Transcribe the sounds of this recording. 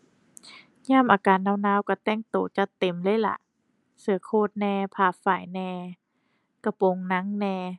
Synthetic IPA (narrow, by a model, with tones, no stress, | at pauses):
ɲaː˧˥˩mʔaː˨kaː˨˦nːaː˧˩wnaː˧˥˨wka˧˩t̪ɛ˧˥˩ŋt̪oː˨˩t͡ɕa˧t̪e˨˩mlɤː˧˥˨jla̰˧˩˦ʔ | sɯ˨˦ɐ˦kʰoː˧˩t̪̚nɛː˧pʰaː˧˩faː˨˩jnɛː˧ | ka˧˩po˧ŋna˧˥ŋnɛː˧